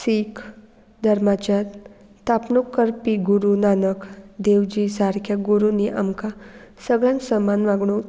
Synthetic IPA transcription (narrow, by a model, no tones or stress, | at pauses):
siːk | d̪ʱəɾmat͡ɕa | t̪apnukːəɾpiɡuɾunanəkd̪eʋd͡ʑisaɾkʰjaɡuɾuniʔa̰mkasəɡɭjãnksəmanʋaɡɽũ